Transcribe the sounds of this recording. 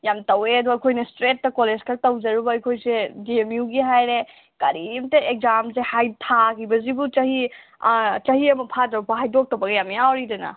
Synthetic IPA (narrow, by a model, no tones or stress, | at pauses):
jamtɐweɐduɐjkʰojnɐstɾet̚ːɐkolezkʰatɐwd͡ʒɐɾubɐɐjkʰojsediemjuɡiɦajɾe | kɐɾimtɐek̚zamsehajtʰakibɐzibut͡ʃɐhi | t͡ʃɐhiɐmɐpʰadɐwpʰaɦajdok̚tɐwbɐɡɐjamiawɾidɐnɐ̰